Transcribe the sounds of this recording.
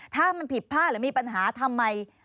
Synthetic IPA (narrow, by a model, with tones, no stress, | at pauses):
t̪ʰaː˥˩ma˧npʰi˨˩t̪̚pʰaː˥˩t̪̚ɾɯː˩˦miː˧pa˧nɦaː˩˦t̪ʰa˧mːa˧j